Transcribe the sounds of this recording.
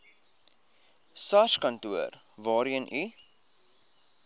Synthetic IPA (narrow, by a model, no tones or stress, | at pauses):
sɐʃkɐntuər | vɑːɾiənʔi